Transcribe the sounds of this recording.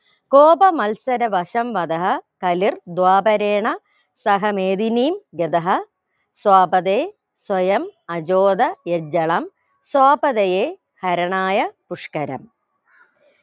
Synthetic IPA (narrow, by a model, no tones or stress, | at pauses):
koːbɐmɐlsɐɾɐʋɐʂɐmʋɐd̪ɐɦɐkɐlird̪waːbɐɾeːɳɐ | sɐɦɐmeːd̪iniːmɡed̪ɐɦɐ | swaːbɐðeː | swɐjɐmɐd͡ʑoːd̪ɐjed͡ʑɐɭɐm | swaːbɐðɐjeː | hɐɾɐɳaːjɐpuʂkɐɾɐ̰m